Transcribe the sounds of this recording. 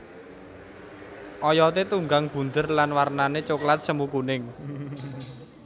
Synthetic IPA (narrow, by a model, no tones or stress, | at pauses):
ʔɔjɔt̪̬et̪uŋɡaŋb̥ṳnd̪ə̤rlanwarnanet͡ʃoklat̪̚səmukunɪŋ